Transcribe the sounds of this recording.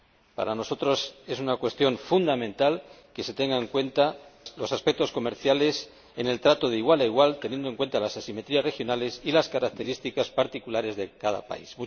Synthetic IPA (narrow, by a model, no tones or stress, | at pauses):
pa̰ɾano̞so̞t̪ɾo̞se̞sunakwe̞st̪jo̞ɱfund̪amẽ̞nt̪al | ke̞se̞t̪e̞ŋɡaeŋkwe̞nt̪alo̞saspek̚t̪o̞sko̞me̞ɾθjale̞s | ene̞lt̪ɾat̪o̞ðeiɣwalaiɣwalt̪enje̞nd̪oŋkwe̞nt̪alasasime̞t̪ɾiasre̞xjonale̞silaskaɾak̚t̪e̞ɾist̪ikaspaɾt̪ikulaɾe̞zðe̞kaða̰pa̰ismu